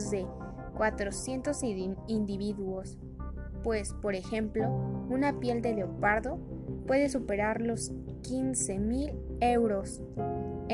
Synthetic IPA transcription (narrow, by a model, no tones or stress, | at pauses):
zðe̞ | kwat̪ɾo̞sje̞nt̪o̞sind̪iβiðuo̞s | pwe̞spo̞ɾe̞xemplo̞unapje̞ld̪e̞leopaɾðo̞ | pwe̞ðe̞s̬upe̞ɾaɾlo̞s | kinse̞mile̞wɾo̞s